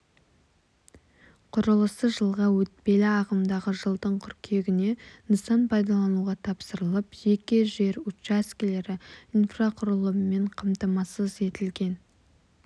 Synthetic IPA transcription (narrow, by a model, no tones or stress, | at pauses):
qʰʊɾəlˠəsəʒəlˠʁɑwɵt̪̚pe̞lɪɑʁəmd̪ɑʁəʒəlˠd̪əɴqʰʏɾkʲʰe̞ɡʲɪne̞nəsɑnpʰɑjd̪ɑlˠɑnuʁɑt̪ʰɑpsəɾəlˠəpʒe̞kʲɪʒe̞ɾut͡ʃaskʲile̞ɾɪinfraqʰʊɾəlˠəmme̞ɴqʰɑmt̪ɑmɑsəze̞t̪ɪlɡʲe̞n